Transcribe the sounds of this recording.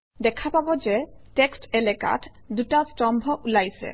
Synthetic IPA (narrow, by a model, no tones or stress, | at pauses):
d̪ɛkʰapabod͡ʑeʈeksʈeleka̰ʈ | d̪uʈasʈɔmbʱoʔulajsḛ